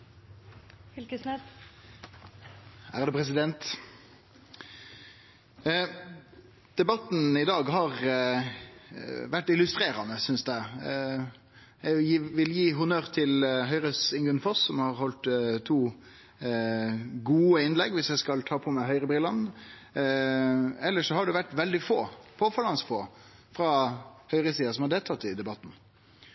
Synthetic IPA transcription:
æʁd̪ɛpʰʁɛs̬ɪd̪ɛnt̪ | d̪̥ɛbɑt̪n̩ɪd̪ɑːɡɦɑʁ | ʋæʈːɪlʉst̪ɾeːɾɑnəsʏnsd̪æɪ | jɛʋɪljiːɦʊnøːʁt̪ʰɪlɦœʏɾəsɪŋɡʉnfɔsːɔmhɑɾhɔlt̪t̪ʰːuː | ɡuːəɪnlɛɡʋɪsjæskɑlt̪ʰɑːpʰɔmæɪɦœʏɾəbɾɪlɑn | ɛlːəʂɔhɑɖʉʋæʈːʋɛld̪ɪfoːpʰoːfɑlɑnsfoː | fɾɑhœʏɾəsiːɑsɔmhɑɖeːlt̪ʰɑt̪ːɪd̪ɛbɑt̪n̩

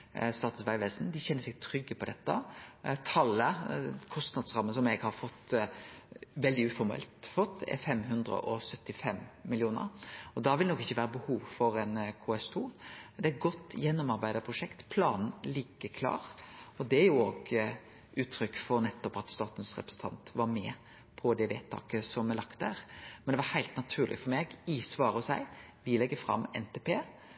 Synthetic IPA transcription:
st̪ɑːt̪nsʋæɪʋeːsn̩d̪ɪçɛnːəɾsɛɡ̚t̪ʰɾʏɡːəpʰɔd̪ɛt̪ːət̪ʰɑlːəkʰɔst̪nɑd̪sɾɑmːənsɔmɛɡhɑɾfɔt̪ː | ʋɛld̪ɪʉːfɔɾmɛ̰lt̪fɔt̪ʰːɛ̰fɛmɦʉnd̪ɾə̰ʔɔsœt̪ːɪfɛmːɪljuːnə̰ɾɔd̪ɑʋɪlnɔkːɪçːəʋæːɾəbəhuːʋfɔɾɛnkʰuːɛst̪ʰuːd̪ɛæɪt̪̚ɡɔt̪ːjɛnːɔmɑɾbæɪd̪əpʰɾʊʂɛkt̪pʰlɑːnn̩lɪɡːəkʰlɑ̰ːɾɔd̪ɛæɾjʊoːɡ | ʉːt̪ʰɾʏkːfɔɾnɛt̪ːɔpɑt̪st̪ɑːt̪n̩sɾɛ̰pɾəsn̩t̪ʰɑ̰nt̪ʋɑɾmɛː | pʰɔd̪ɛʋḛːt̪ʰːɑ̰ːkəsɔmɛlɑkt̪̚æɾmɛnd̪ɛʋɑɾhæɪlt̪nɑt̪ʰʉːʁlʔɪ̰fɔɾmeːɡisʋɑːɾəɔsæ̰ɪ | ʋɪlɛɡːəfɾɑ̰mːɛ̰nt̪ʰeːpʰeː

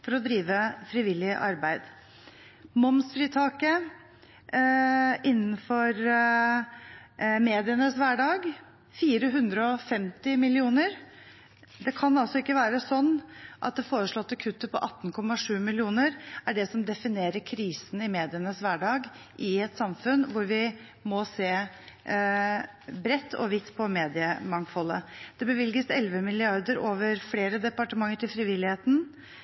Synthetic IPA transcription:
fɔɾɔd̪ɾiːʋəfɾɪʋɪlːɪʔɑ̰ɾbæɪd̪ | mɔmsfɾiːt̪ʰɑːkə | ʔɪnːn̩fɔɾ | meːd̪ɪənəsʋæɖɑːɡ | fiːɾəɦʉnd̪ɾəɔfɛmt̪ɪmɪlɪuːnəɾ | d̪ɛkʰɑnɑlsɔɪkːəʋæːɾəsɔnːʔɑ̰t̪̚d̪ɛfoːɾəʂɭɔt̪ːəkʰʉt̪ːəpʰɔ̰ʔɑt̪ːn̩kʰɔmːɑʂʉːmɪlɪuːnəɾæɖɛsɔmd̪ɛfɪneːɾəkʰɾiːsənɪmeːd̪ɪənəsʋæɖɑːɡ | ʔɪɛt̪sɑmfʉnʋʊɾʋɪ | mɔseː | bɾɛt̪ːɔ̰ʋɪt̪ːpʰɔmeːd̪ɪəmɑŋfɔlːə̰d̪̥ɛbəʋɪlɡəsɛlʋəmɪlɪɑɾd̪əɾoːʋəɾfleːɾəd̪ɛpɑʈəmɑŋːəʈʰɪlfɾɪʋɪlːɪheːt̪n̩

